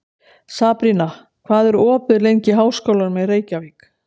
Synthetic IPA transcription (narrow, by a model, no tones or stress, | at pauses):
saːpɾina | kʰv̥aːðɛɾɔːpɪðlejɲcɪɦaːwskowlaɾmɛðreːjcaviːk